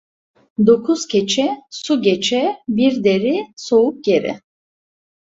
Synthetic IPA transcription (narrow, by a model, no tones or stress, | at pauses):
d̪okʰuskʲʰɛt͡ʃʰɛsuɡʲɛt͡ʃʰɛbiɾd̪ɛɾisouk̚ɡɛɾɛ̰